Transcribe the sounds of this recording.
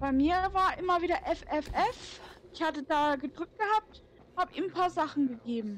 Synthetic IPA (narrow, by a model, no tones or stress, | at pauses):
b̥aɪmiːɐvaːɐʔɪmɐviːdɐʔɛfɛfʔɛfʔɪçhatədaːɡədʁʏk̚t̚ɡ̥əhaːp̚t | haːbəʔḭːmnpʰaːɐzaχn̩ɡəɡeːbm̩